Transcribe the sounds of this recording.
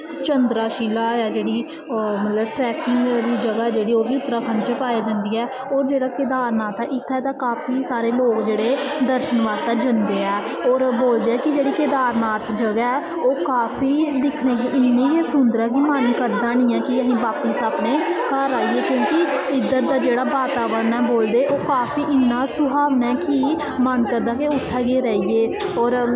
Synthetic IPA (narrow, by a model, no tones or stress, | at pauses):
t͡ʃənd̪ɾaːʃiːlaːjaːd͡ʒeːɽiː | mət̪ləbʈɾɛːkɪŋɡɾiːd͡ʒəɡaːɛːd͡ʒeːɽiːoːbiːʊt̪ːəɾaːkʰənt͡ʃepaːeːd͡ʒãːnd̪iːɛː | ɔːɾd͡ʒeːɽaːkɪd̪aːɾnaːt̪ɛːʔɪt̪ʰːɛːt̪ãːkaːpʰiːsaːɾeːloːkd͡ʒeːɽeːd̪əɾʃənʋaːst̪eːd͡ʒənd̪eːɛː | ɔːɾboːld̪eːɛːkɪd͡ʒeːɽiːkɪd̪aːɾnaːt̪ʰd͡ʒəɡaɛː | oːkaːpʰiːd̪ɪkʰneːɡeːʔɪnːiːjesʊnd̪ɾaːkiːmənkəɾd̪aːnĩːɛːkɪəɦĩːbaːpiːsaːbneːkəɾaːieːkjõːkɪɪd̪əɾd̪aːd͡ʒeːɽaːbaːt̪aːʋəɾənɛːboːld̪eːʔoːkaːpʰiːʔɪnːaːsʊɦaːʋnɛːki | mənkəɾd̪aːkeʊt̪ʰːɛːɡeːɾɛːiːeːɔːɾ